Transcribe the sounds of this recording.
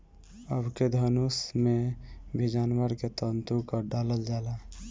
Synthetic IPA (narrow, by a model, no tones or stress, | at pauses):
əbʱked̪ʱənusmebʱid͡ʒaːnwəɾket̪ənt̪ukəɖaləld͡ʒala